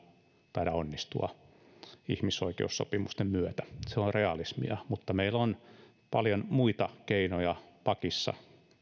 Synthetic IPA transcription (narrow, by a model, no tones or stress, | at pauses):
t̪ɑiɾɑonːist̪uɑ̰ | ihmisoikḛusso̰pimust̪emmyøt̪æ̥seoreɑlismḭɑmut̪ːɑmeilon | pɑljonmuit̪ɑkeinojɑpɑkisːɑ̰